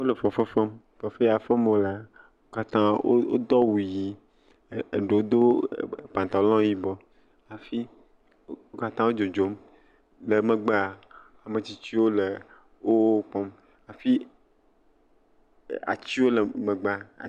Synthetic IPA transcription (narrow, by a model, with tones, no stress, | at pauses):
wo˦le˨fɔ˨fe˦fe˦m | fɔ˨fe˦a˨fe˦m˦wo˦la˦ | wo˦ka˦t̪ã˦o̰˦o̰˦d̪ɔ˦wu˨ji˨ | e˨ɖe˨wo˦d̪o˦˨pã˨nt̪a˨˦lɔ̃˦ji˦bɔ˦ | a˨fi˦ | wo˦ka˦t̪ã˦wo˦d͡ʒo˨d͡ʒo˨˦m | le˨me˨ɡ͡ba˦a˨ | a˨me˨t͡ɕi˦t͡ɕi˦wo˦le˨ | wo˦k͡pɔ̃˦m | a˨fi˦ | a̰˨t͡ɕi˦wo˦le˨mẽ˨ɡ͡ba̰˦˨